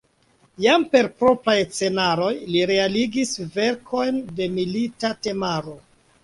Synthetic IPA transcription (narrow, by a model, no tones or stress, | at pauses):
jampe̞ɾpɾo̞pɾajt͡se̞naɾo̞jliɾealiɡisve̞ɾkʰo̞jnde̞militate̞maɾo̞